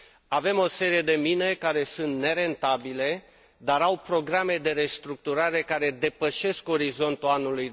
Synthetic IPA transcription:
ave̞mo̞se̞ɾije̞d̪e̞mine̞kaɾesunt̪ne̞ɾe̞nt̪abile̞ | d̪aɾawpɾo̞ɡɾame̞d̪e̞ɾe̞st̪ɾuk̚t̪uɾaɾe̞kaɾe̞d̪e̞pəʃe̞sko̞ɾizo̞nt̪uanuluj

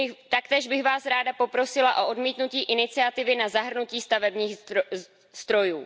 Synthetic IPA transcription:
ɪt̪akt̪ɛːʒbɪɣvaːsɾaːdapo̞pɾo̞sɪlaʔo̞ʔodmiːt̪nuciːʔɪnɪt͡sɪat̪ɪvɪnazaɦr̩nuciːst̪avɛbɲiːx | z̥d̪ɾo̞juː

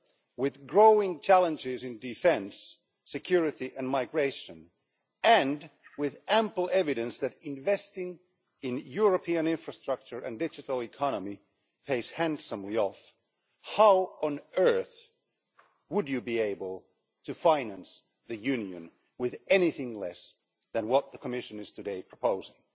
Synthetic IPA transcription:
wɪðɡɹoʊɪ̃ŋt͡ʃʰælˠə̃nd͡ʒɪzɨ̃ndɨfɛ̃nsː | ɨkʰj̥ʊɹɨɾiʔɨ̃nmaɪɡɹeɪʃɨ̃n | ɨ̃nwɪðæ̃mpl̩ˠɛvɨɾɨ̃nsðɨɾɪ̃ɱvɛstɪ̃ŋ | ɪ̃njʊɹəpʰiɨ̃nɪ̃ɱfɹɨstɹ̥ʌk̚t͡ʃə˞ʔɨ̰̃ndɪd͡ʒɨɾl̩ˠɨkʰɑnəmi | pʰeɪshæ̃nsə̃mliɔf | haʊə̃nɜ˞θ | wəd͡ʒɨbieɪbəl̩ˠ | tʰɨfãɪ̃næ̃ns | ðɨjʉ̃njɨ̰̃n | wɪðɛniθɪ̃ŋlɛs | ðɨ̃nwʌt̪̚ðəkʰəmɪʃɨ̃nɨz̥tʰɨdeɪpʰɹ̥əpʰoʊzɪ̃ŋ

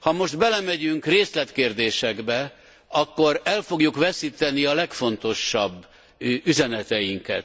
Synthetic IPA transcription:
hɒmo̞ʒd̪bɛlɛmɛɟyŋkreːslɛt̪keːrd̪eːʃɛɡbɛ | ɒkːo̞ɾɛlfo̞ɡjukvɛsiːt̪ɛniɒlɛkfo̞nt̪o̞ʃːɒbː | yzɛnɛt̪ɛjiŋkɛ̰t̪

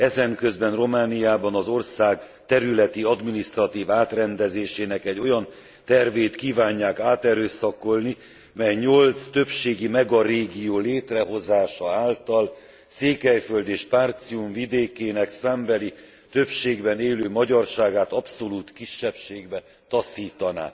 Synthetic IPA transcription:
ɛzɛŋkø̞zbɛnro̞maːnijaːbɒnɒzo̞rsaːɡ | t̪ɛɾylɛt̪iɒd̪minist̪rɒt̪iːvaːt̪rɛnd̪ɛzeːʃeːnɛkɛɟːo̞jɒn | t̪ɛrveːt̪kiːvaːɲːaːkaːt̪ɛɾøːsɒko̞lni | mɛjɲo̞lt̪st̪ø̞pʃeːɡimɛɡɒɾeːɡijoːleːt̪rɛɦo̞zaːʃɒaːlt̪ɒl | seːkɛjføld̪eːʃpaːrt̪siuɱvid̪eːkeːnɛksɛmbɛli | t̪ø̞pʃeːɡbɛneːløːmɒɟɒrʃaːɡaːt̪ɒpso̞luːt̪kiʃːɛpʃeːɡbɛ | t̪ɒsiːt̪ɒna̰ː

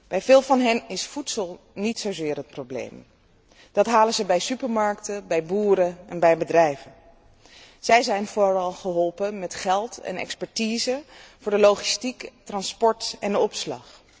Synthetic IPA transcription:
b̥ɛjvɪːlˠvɑnɦɛnɪsfutsəlˠ | nitsowzɪːɹɦət̚prowblḛjm | d̥ɑtɦaːlənzəbɛjsypəɹmɑɹktəbɛjbuːɾəɛnbɛjbədrɛjvən | z̥ɛjzɛjnvʊɹɑlˠχəɦɔlˠpəmɛtχɛlˠtɛ̰nɛ̰kspɛɹtiːzəvʊːɹdəlowχistiktrɑnspɔɹtɛndəɔpslɑ̰χ

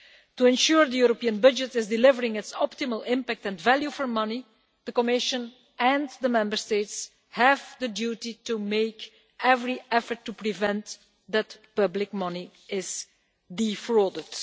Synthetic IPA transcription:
tuɛ̃nʃuɹd̪əjuɾopiə̃nbʌd͡ʒətɪzdɪlɪvəɹɪ̃ŋɪtsɔp̚tɪməlˠɪ̃mpæk̚tɛ̃nvælˠjufɔɹmʌni | d̪̥əkɔmɪʃə̃n | ɛ̃nd̪əmɛ̃mbəɹsteɪts | hævd̪ədjuːtitumeɪk | ʔɛvɹiɛfəɹtːupɹivɛ̃nt | d̪ətpʌblɪk̚mʌni | ɪz̥ | difɹodəd

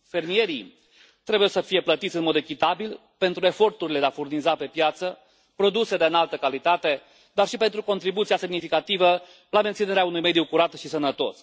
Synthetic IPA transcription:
fe̞rmije̞ɾḭ | t̪ɾe̞bujewsəfije̞plət̪it̪sʲɨnmo̞d̪e̞kʲit̪abil | pe̞nt̪ɾue̞fo̞rt̪uɾile̞d̪eafurnizape̞pjat̪sə | pɾo̞d̪use̞d̪e̞ɨnalt̪əkalit̪at̪e̞ | d̪arʃipe̞nt̪ɾuko̞nt̪ɾibut̪siase̞mnifikat̪ivə | lament̪sine̞ɾeaunujme̞d̪ijukuɾat̪ʃisənət̪o̞̰s

